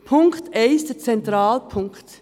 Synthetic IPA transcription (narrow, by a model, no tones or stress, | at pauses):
pʰʊŋkteɪsdət͡sɛntʁaːlpʰʊŋkt